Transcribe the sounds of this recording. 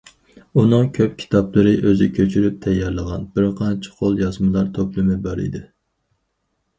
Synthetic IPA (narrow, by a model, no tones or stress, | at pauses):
unɨŋkʲʰøp̚kʲʰi̥t̪ʰɑplˠɨɾɨʔøzɪkʲʰøt͡ʃʰyɾyp̚t̪ʰɛjːɛɾlˠəʁɑ̰nbɪɾqʰɑnt͡ʃʰɪ̥qʰolˠjɑzmɨlˠɑɾt̪ʰoplˠɨmɪbɑɾḭd̪ɪ